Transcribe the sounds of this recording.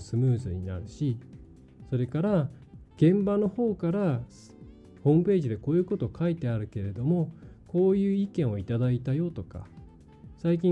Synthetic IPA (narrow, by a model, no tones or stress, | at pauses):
sɨmɯ̟ːzɨɲ̟ḭna̰ɾɯ̟ɕi | so̞ɾe̞kaɾa | ɡ̥ẽ̞mbano̞ho̞ːkaɾa | hõ̞ːmɯ̟pe̞ːʑid̪e̞ko̞ːjɯ̟ːko̞t̪okait̪e̞aɾɯ̟ke̞ɾe̞d̪o̞mo̞ko̞ːjɯ̟ːikẽ̞ɰ̃o̞it̪ad̪ait̪ajo̞t̪o̞ka̰ | saik̬ʲĩ